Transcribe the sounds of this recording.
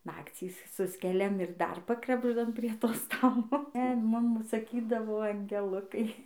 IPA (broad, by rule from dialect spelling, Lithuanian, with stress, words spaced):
ˈnɑːkt͡sʲiːs ˈsʊsʲkʲɛlʲɛm ɪr dɐr ˈpɑːkrɐbʒdɐm pʲrʲiɛ ˈtoː ˈstɑːlˠoː ɛ ˈmʊm sɐˈkʲiːdɐʋoː ɐŋʲɡʲɛˈlˠʊkɐɪ